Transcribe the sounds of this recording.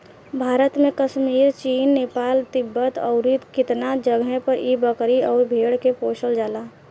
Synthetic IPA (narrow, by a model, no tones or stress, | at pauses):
bʱaːɾət̪mẽkəʃmiːɾt͡ʃiːnːeːpaːlt̪ɪbːət̪əʊɾɪt̪kɪt̪nad͡ʒəɡɛ̃pəɾʔibəkɾiɔːɾbʱeːɽkepoːʃəld͡ʒaːlaː